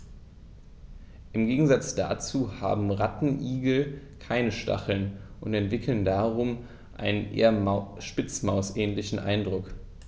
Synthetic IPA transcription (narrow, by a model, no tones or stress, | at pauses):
ʔɪmɡeːɡŋ̩zat͡sd̥a̰t͡suːha̰ːbm̩ʁatn̩ʔiːɡl̩ | kʰaɪnəʃta̰χl̩nʔʊntɛntv̥ɪkʰl̩ndaːʁʊm | ʔa̰ɪnənʔḛːɐʃpɪt͡smaʊsʔɛːnlɪçn̩ʔa̰ɪndʁʊk